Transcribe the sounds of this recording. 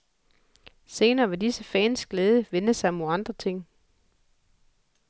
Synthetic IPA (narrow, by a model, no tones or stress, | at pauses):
se̝ːnɐːʋe̝disəfɛ̰ːnsɡ̥leːð̞ˠəʋenəsɑ̈ɪɒmoɑ̈nd̥ʁɐt͡sʰe̝ŋ̰